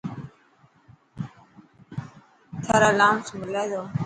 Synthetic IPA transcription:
tʰaɾalamsməlajo

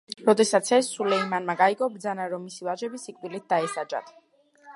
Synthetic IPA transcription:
ɾɔd̪ɛsat̪sʰɛsːulɛimanmaɡaiɡʼɔbɾd̪zanaɾɔmːisivaʒɛbisikʼvilit̪̚d̪aɛsad͡ʒʼa̰t̪ʰ

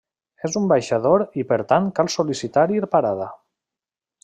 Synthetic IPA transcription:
ezumbajʃaðoɾipeɾt̪aŋkalˠsolisit̪aɾiɾpaɾað̞a

